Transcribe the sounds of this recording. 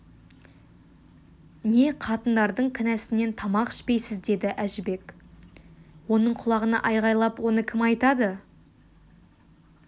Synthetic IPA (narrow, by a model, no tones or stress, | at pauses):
ne̞qʰɑt̪ənd̪ɑɾd̪əɴkʲʰɪnæsɪne̞nt̪ʰɑmɑqɪ̥ʃpe̞jsɪzd̪e̞d̪ɪʔæʒɪbe̞k | wo̞nəɴqʰʊlˠɑʁənɑ̰ʔɑjʁɑjlˠɑpwo̞nəkʲʰɪmɑjt̪ɑd̪ə